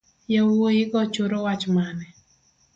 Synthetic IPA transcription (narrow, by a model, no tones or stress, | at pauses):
jawojɪkɔt͡ʃoɾowat͡ʃmanɛ